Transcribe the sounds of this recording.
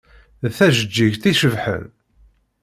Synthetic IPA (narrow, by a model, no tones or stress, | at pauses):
θæʒəd͡ʒːiʝθiʃəvħə̰n